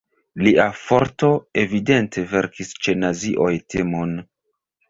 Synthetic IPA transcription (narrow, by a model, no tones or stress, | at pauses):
liʔafo̞ɾto̞e̞vide̞ntʰe̞ve̞ɾkist͡ʃe̞naziʔo̞jtʰemo̞n